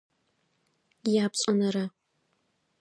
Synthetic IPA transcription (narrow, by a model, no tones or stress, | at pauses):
jaːpɕʼɐnɐɾɐ